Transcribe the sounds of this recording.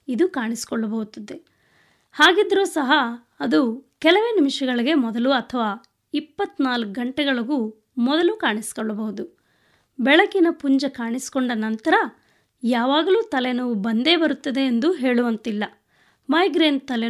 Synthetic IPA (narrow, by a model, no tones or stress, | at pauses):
id̪ukaːɳisi̥kɔɭːɐbɐɦut̪ːɐd̪e | haːɡid̪ɾuːsɐɦɐː | d̪ukɛlɐʋe̞ːnimiʂɐɡɐɭiɡe̞mɔd̪ɐluɐt̪ʰɐʋaː | ipːɐt̪ːnaːlk̚ɡɐɳʈɛɡɐɭɐɡuː | mɔd̪ɐlukaːɳisi̥kɔɭːɐbɐɦud̪u | bɛɭɐkinɐpuɲd͡ʒɐkaːɳisi̥kɔɳɖɐnɐnt̪ɐɾɐ | jaːʋaːɡɐluːt̪ɐlɛnɐʋubɐnd̪e̞ːbɐɾut̪ːɐd̪e̞ːnd̪uɦe̞ːɭuʋɐnt̪ilːɐ | mɐjɡɾeːnt̪ɐlɛ